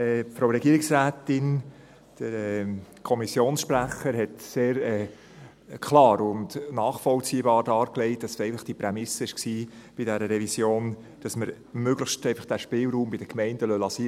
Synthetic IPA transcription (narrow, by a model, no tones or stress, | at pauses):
ɛfɾoɾɛɡiːɾɪksɾæːtɪn | d̥əɾɛkʰɔmisjoːnsʃpɾæχəɾhɛtseːɾɛː | kʰlɑːɾʊndnɑːχfɔlt͡siːbɑːɾd̥ɑːɾklɛɪt̚ɑssɛɪələχd̥ipɾɛmɪsəɪʃksiːb̥idɛɾəɾɛvisjoːn | d̥ɑsməɾ | møɡləχʃtɛɪfəχd̥æːʃpɪːlɾuːmbɪd̥əkmɛɪnd̥əlœlɑsi